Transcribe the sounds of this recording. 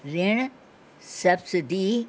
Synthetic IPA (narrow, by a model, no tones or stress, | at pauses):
ɾeɳ | sɐbsiɖi